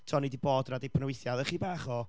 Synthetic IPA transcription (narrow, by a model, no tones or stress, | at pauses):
tʰɔnidiboːdradepʰənəwɪθjaðəχiːbaːχɔ